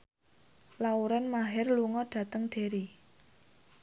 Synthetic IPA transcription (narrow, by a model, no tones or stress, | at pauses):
lauɾɛnmaɦɛrluŋɔɖ̥ä̤t̪əŋɖ̥e̤ɾi